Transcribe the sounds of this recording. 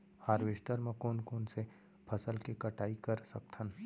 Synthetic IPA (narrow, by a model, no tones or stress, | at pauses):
haːɾʋeːsʈəɾmẽkoːnkoːnse | pʰɐsəlkikɐʈaːikɐɾsɐk̚t̪ʰən